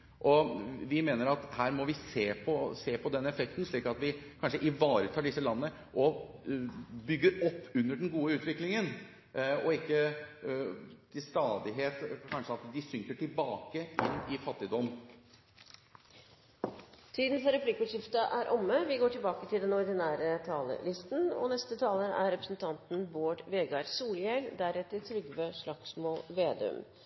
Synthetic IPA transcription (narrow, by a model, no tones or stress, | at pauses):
ʔɔʋɪmeːnəɾɑt̪hæːɾmɔʋɪseːpʰɔseːpʰɔd̪ɛnːɛfɛk̚t̪n̩ʂɭiːkɑt̪ʋɪkʰɑnʂəʔɪʋɑːɾət̪ʰɑːɖɪsːəlɑnənə | ʔɔ | bʏɡːəɾɔpːʉnːəɖɛnɡuːəʉːt̪ʋɪklɪŋən | ɔɪkːə | t̪ʰɪlst̪ɑːd̪ɪɦeːt̪kʰɑnʂəɑt̪d̪ɪsʏŋkəʈɪlbɑːkəʔɪnːɪfɑt̪ːɪd̪ɔm | t̪ʰiːd̪n̩fɔɾɛpʰlɪkːʊʂɪft̪əʔæɾʔɔmːəʋɪɡoːʈɪlbɑːkət̪ʰɪld̪ɛnɔɾd̪ɪnæːɾət̪ʰɑːlə̰lɪst̪nɔ̰nɛst̪ət̪ʰɑːləɾæ̰ɾɾɛpɾəsnt̪ʰɑnt̪nboːʈʋeːɡɑɾsuːljɛld̪æɾɛt̪ːəɾt̪ʰɾʏɡʋøːʂɭɑksmoːʋeːd̪ɛ̰ʉ̰m